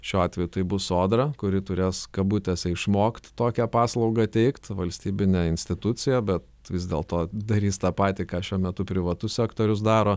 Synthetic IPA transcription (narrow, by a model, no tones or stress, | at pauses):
ʃʲuːɑːt̪ʲʋʲɛjʊt̪ɐɪbʊsoːd̪ɾɐkʊɾʲɪt̪ʊɾʲeːskɐbut̪ʲɛsʲɛɪʃmoːkt̪t̪oːkʲɛpɑːslˠɐʊɡɐt̪ʲɛɪkt̪ʋɐlʲsʲt̪ʲiːbʲɪnʲɛɪnʲsʲt̪ʲɪt̪ʊt͡ssʲɪjɛbʲɛt̪ | ʋʲɪzʲd̪ʲeːlˠt̪oːd̪ɐɾʲiːst̪ɑːpɑːt̪ʲiːkɑːʃʲuɔmʲɛt̪ʊpʲɾʲɪʋɐt̪ʊsʲsʲɛːkt̪oːɾʲʊs̬d̪ɑːɾoː